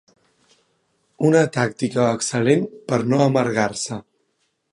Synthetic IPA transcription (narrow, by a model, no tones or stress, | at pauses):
unət̪akt̪ikəːksəlenpəɾnoəməɾɣaɾsə